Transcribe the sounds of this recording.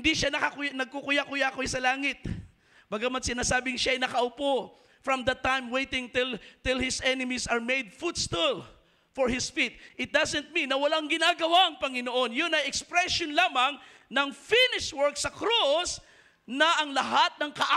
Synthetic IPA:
ɪnd̪iʃanɐkɐkʊjnɐɡ̚kokʊjakʊjakojsɐlaːŋɪt̪̚ | b̥aɡamɐt̪sɪnaːsaːbɪŋʃaɐjnɐkɐʔʊpo | fɹɐmd̪ɐt̪ːãjmwejt̪ɪŋt̪ɪlt̪ɪlhɪsʔɛnɪmisɐɹmejd̪̚fut̪st̪ul | fɔɹhɪsfit̪̚ʔɪt̪̚d̪ɐsɛ̃nt̪̚mĩnːɐwɐlaŋɡɪnaːɡɐwaʔɐŋpɐŋɪnoʔo̞njʊnɐjɛkspɾɛʃonlaːmɐŋ | nɐŋfinɪʃwɛɹksɐkɾus | nɐɐŋlɐɦat̪̚nɐŋkɐʔa

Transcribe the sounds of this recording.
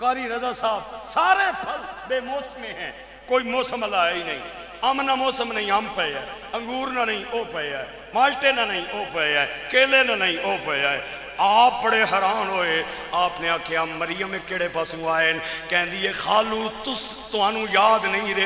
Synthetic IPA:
kaːɾiːɾəzaːsaːbsaːɾẽːpʰəld̪eːmɔːsmẽːɦɛ̃ː | koːiːmoːsəməlaːiːnəĩː | əmnãːmɔːsəmnəĩːəmpʰəeaː | əŋɡuːɾnãːnəĩːʔoːpəaːeː | maːlʈeːnãːnəĩːʔoːpəeaːekeːleːnãːnəĩːʔoːpəaːeː | aːpːəɽeːɦəɾaːnɦoːeː | aːpneːaːkʰːeːaːmːəɾɪjəmeːkɪːɽeːpaːsũːaːeːnkɛ̃ːnd̪iːeːxʰaːluːt̪ʊst̪ʊɦaːnũːjaːd̪nəĩːɾe

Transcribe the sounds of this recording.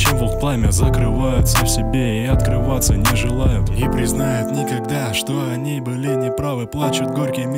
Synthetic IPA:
simvʊl̚ˠplˠamʲɪzəkɾɨvajʊt̪səfsʲɪbʲe̞iɐt̪kɾɨvat̪sːənʲɪʐɨlˠajʊt̪ipɾʲɪznajʊt̪nʲɪkɐɡd̪aʂt̪o̞ɐnʲibɨlʲɪnʲɪpɾavɨplˠat͡ɕʊt̪ɡorʲkʲɪmʲ

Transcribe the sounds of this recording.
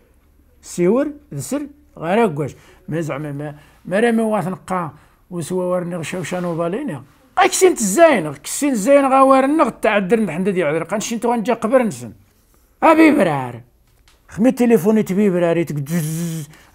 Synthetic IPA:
siwəɾðəsəɾ | ɣæɾæɡʷːæʃ | mæzʕmæmæ | mæɾæmiwæθnəqːɑ | wəswæwæɾənːiɣʃæwʃænubɑlini | æksint̪əzːæjnəʁkə̥sint̪əzːæjnəɣæwæɾənːəɣt̪ːʕad̪ːəɾnd̪ħənd̪æd̪jəʕd̪ɾqænʃint̪uɣænd͡ʒæqbəɾnəsə̰n | æbibɾʕaɾ | xmit̪ːelifunit̪bibɾaɾit̪əɡd̪zz

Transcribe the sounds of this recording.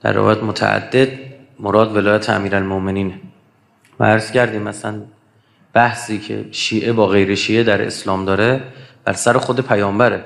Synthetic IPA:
d̪̥æ̰ɾːḛvɒ̰jæt̪mot̪ʰæ̰ʔæ̰d̪ːe̞d̪ | moɾɒːd̪ve̞lɒːjæt̪ʰeæ̰miːɾælmoʔme̞niːn | væ̰æɾz̥cʰæɾd̪iːmæsæn | b̥æhsiːcʰḛʃiːʔe̞bɒːɣe̞jɾe̞ʃiːed̪æɾe̞̰slɒːmd̪ɒːɾeb̥æ̰ɾsæɾexod̪e̞pʰæjɒːmbæɾe

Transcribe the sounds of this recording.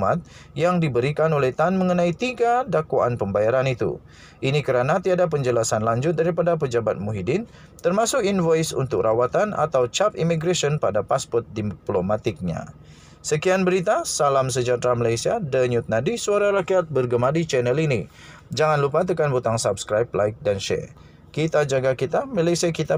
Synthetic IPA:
mat̪̚jaŋdibəɾikanolɛht̪anməŋənait̪iɡadakwaʔa̰npəmbajaɾanit̪ṵ | ʔinikəɾanat̪iadap̬əɲd͡ʒəlasanlaɲd͡ʒʊt̪̚daɾipadap̬əd͡ʒabat̪̚muɦidɪn | t̪ərmasʊkinvajsṵnt̪ʊk̚rʔawat̪ana̰t̪awt͡ʃapḭmiɡɾasiɔnpadapaspɔrt̪̚diplomat̪ɪk̚ɲa̰ | səkianbəɾit̪̬asalams̬əd͡ʒat̪ɾaməlajsiadəɲut̪̚nadisuaɾaɾakiat̪̚bərɡəmadit͡ʃɛnɛlini | d͡ʒaŋanlupat̪̬əkanbut̪aŋsapskɾajp̚lajk̚danʃɛ̰ | kit̪ad͡ʒaɡakit̪amalajsiakit̪a

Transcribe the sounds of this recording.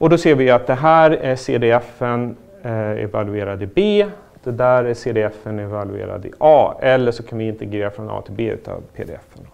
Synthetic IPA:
ʔɔd̪ɔseːɾvɪjat̪̚d̪ɛɦæːɾæʂeːd̪eːɛfən | ɛ̰valɵeːɾad̪ɪbeː | d̪̥ɛd̪æːɾæʂeːd̪eɛfːənɛvalʉḛːɾa̰d̪ɪ̰ʔɑːɛlːəʂɔkʰanvɪɪnt̪əɡɾeːɾafɾɔnɑ̰ːt̪ʰɪlbeːʉ̟ːt̪ʰɑ̰vpʰḛːd̪ḛɛfən

